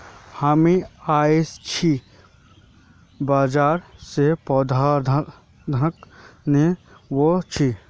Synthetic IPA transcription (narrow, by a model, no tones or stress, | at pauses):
haːmiaːest͡ʃʰi | baːd͡ʒaːɾsepɔːd̪ʱaːɾd̪ | d̪ʱənəkne | wot͡ʃʰi